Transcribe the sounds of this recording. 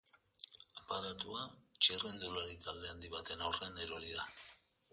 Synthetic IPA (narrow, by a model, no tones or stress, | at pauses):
apaɾat̪uat͡ʃirend̪ulaɾit̪ald̪e̞and̪iβat̪e̞nawreneɾoɾiða